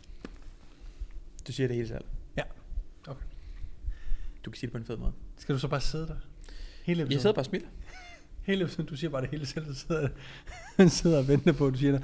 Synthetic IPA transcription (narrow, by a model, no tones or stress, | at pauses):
d̥usiːɐɾ̥ee̝ːləsæ̰l̰̥jæokʰe | d̥ukʰæsiːd̥epʰɒ̽enfeðˠmɔ̽ːð̩ˠsɡ̥æd̥usɒ̽b̥ɑ̈ːse̝ðˠəd̥æhe̝ːləeb̥ʰijasðeðˠbɑ̈ːsmil̰ | he̝ːləepʰsðˠn̩d̥usiːɐb̥ɑ̈ːd̥e̝he̝ːləsel̰̥seð̰ˠɐ̥e | seð̞̰ˠɐɒʋend̥ɐpʰɒ̽d̥usiɐɾ̥æ